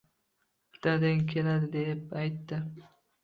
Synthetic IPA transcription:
pʰɪ̥t̪ʰad̪aŋkʲʰelad̪ɪd̪e̞p̚ajt̪ːɪ

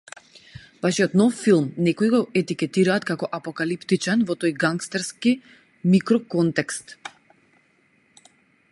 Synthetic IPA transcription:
vaʃiɔt̪nɔfːilˠmnɛkɔiɡɔʔɛt̪ikɛt̪iɾaːt̪kakɔʔapɔkalipt̪it͡ʃanvɔt̪ojɡaŋkst̪ɛɾski | mikɾɔkɔnt̪ɛkst̪

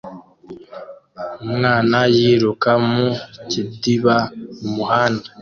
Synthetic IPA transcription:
umŋaːnajiːɾukamucidiβaumuhaːnda

